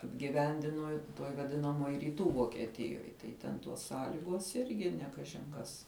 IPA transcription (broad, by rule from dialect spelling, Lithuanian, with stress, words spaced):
ɐbʲɡʲɪˈʋʲɛnʲdʲɪnoː tuɔj ʋɐˈdʲɪnɐmuɔj rʲiːˈtuː ʋoːkʲiɛˈtʲɪjoːj tɐɪ ˈtʲɛn tuɔs ˈsɑːlʲɪɡuɔs ˈɪrʲɡʲɪ nʲɛ ˈkɑːʒʲɪn kɐs